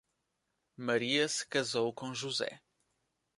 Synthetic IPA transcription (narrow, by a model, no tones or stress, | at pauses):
mɐɾiɐsɨ̥kɐzowkõʒuzɛ̰